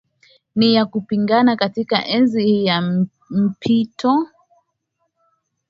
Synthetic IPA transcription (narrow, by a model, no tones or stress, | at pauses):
nijakupiŋɡanakatika̰ʔɛnzihija | m̩pʰitʰɔ